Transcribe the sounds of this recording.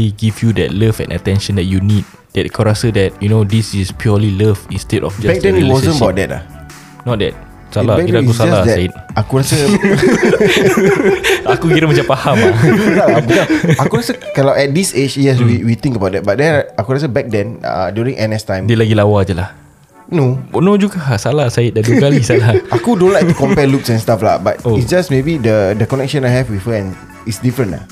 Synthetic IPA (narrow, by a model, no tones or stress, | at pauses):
iɡifjudɛ̰t̚ləvɛ̰̃nʔə̰tɛ̃nʃə̃ndɛt̚junid̚ | d̥ɛtakaɾasədɛt̚junodisispʰjɔliləfĩnstɛdɔ̰fd͡ʒbɛk̚dɛ̃niwɔzə̃nəbat̚dɛt̚la̰ | nɔt̚dɛ̰t̚ | salabɛiakusad͡ʒalasdɛsteit̚akuɹasə | akuɡiɾəmat͡ʃãpahamaaaɡid͡ʒaakuɾasəkalawʔɛt̚dised͡ʒjɛs̬wiwit̪ĩŋkəbawt̚dɛt̚bat̚dɛ̃nakuɾas̬əbɛk̚dɛ̃na̰djuɹĩŋʔɛnɛstãj̃mdilaɡilawad͡ʒəla̰h | nonõd͡ʒuɡasalasaɪt̚daduəkalisalaʔakudõnlajkt̪ukɔ̃mpɛluksɛ̃nstafla̰ba̰toisd͡ʒasmebidədəkɔnɛk̚ʃə̃najɦɛfwifəɛ̃n | isdifɾə̃nla̰